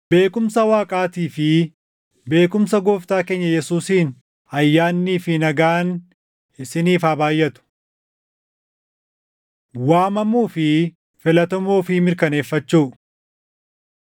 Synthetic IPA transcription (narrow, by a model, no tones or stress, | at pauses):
b̥e̞ːkʊmsɐwaːkʼaːt̪iːfɪ | be̞ːkʊmsɐɡoːft̪aːke̞ːɲːɐjɛsuːsiːn | ɐjːaːnːiːfɪnɐɡaːn | ɪsɪniːfaːbaːjːɐt̪ʊ̥ | waːmɐmuːfɪ | fɪlɐt̪ɔmoːfɪmɪɾkɐne̞ːfːɐt͡ʃːuː